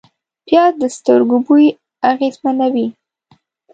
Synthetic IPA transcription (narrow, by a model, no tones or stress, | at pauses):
pjɑd̪əst̪əɾɡubuj | aɣezmanawi